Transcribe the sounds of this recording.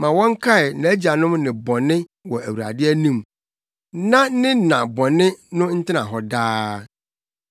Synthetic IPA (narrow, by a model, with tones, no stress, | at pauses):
mã˨wɔ̃˦ŋ˦kʰa˦ɪ˨n̩˨æ˨˦d͡ʑa˨nʊ̃˦mnɪ̃˨bɔ̃˨nɪ̃˦wɔ˨æ˨wu˨ɾa̰˨dɪ˦æ˦nũ˦˨m | nã˦nɪ̃˦nã˨bɔ̃˨nɪ̃˦nʊ̃˦n̩˦tʰɪ˦nã̰˨ɦɔ˨daː˦